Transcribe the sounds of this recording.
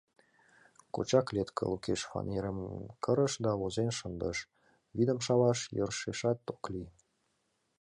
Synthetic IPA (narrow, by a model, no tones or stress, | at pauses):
kot͡ɕɑklet̪kʰə̰lukeʃfɑ̰nʲeɾəmkʰəɾəʃd̪ɑlozenʃənd̪əʃ | βid̪əmʃɑβɑʃjə̰rʃeʃɑt̪ːokli